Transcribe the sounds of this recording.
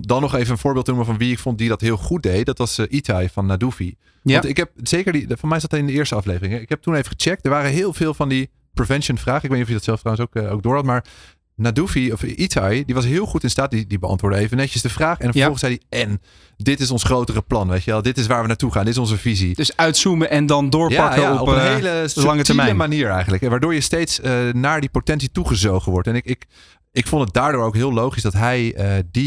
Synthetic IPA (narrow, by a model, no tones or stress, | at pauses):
dɑnːɔχejvənənvʊːɹbɪːlˠtənuməvɑnʋiɪkfɔnt̚didɑtɦɪːlˠχut̚dejt̚dɑtʋɑsʔitʰajfɑnːadufi | ɔtɪkɦɛp̚z̥ejkəɹdifɑnsmɛjsdɑtɪndəɪːɹstəɑflejvərɪŋɦɛɪkɦɛp̚tunejvəχət͡ʃɛk̚tdəɹʋaːrəɦɪːlˠvɪːlˠvɑndi | privɛnʃənfraːχəɪkʋejnitɔfjədɔtsɛlˠftrawəns̬okowk̚ɡdʊːɹhɑtmaːɹ | nadufiɔfʔitʰajdiʋɑs̬ɦɪːlˠχutɪnstaːt̚didibəɑ̰ntʋʊːɹdəejvənɛcəsdəvraːχɛnfəfɔlˠəsɛjdiɛn | dɪtɪsɔnsχrowtərəplɑnʋejtəʋɛlˠdɪtɪs̬ʋaːɹʋənaːtuχaːndɪtɪsɔnzəvizid̥sœɥtsuməʔɛndɑndʊːɹjapɑkəɔɔpənɦejləlɑŋətəɛəmaniːɹɛ̰jχəndləkɛʋaːɹdʊːɹjəstejtsənaːɹdipotɛnsituχəzowχənʋɔɹtɛnɪkɪk | ɪkfɔntət̚daːɹdʊːɹowkɦɪːlˠowχisdɑtɦɛjədi